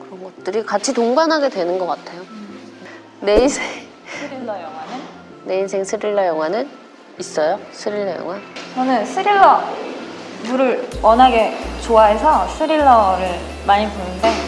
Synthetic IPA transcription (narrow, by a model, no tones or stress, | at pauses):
kɯɾʌnɡʌt̚t͈ɯɾikat͡ɕʰitoŋɡanɦaɡe̞dwe̞nɯnɡʌk͈atʰejo | ne̞insʰeŋ | ijʌŋwanɯnː | e̞insʰeŋsʰɯɾiɭːʌjʌŋwanɯn | is͈ʌjosʰɯɾiɭːʌjʌ̰ŋwat͡ɕʌnɯnsʰɯɾiɭːʌ | muɾɯɭwʌnɦaɡe̞t͡ɕoaɦe̞sʰʌsʰɯɾiɭːʌɾɯɭ | maɲiponɯnde̞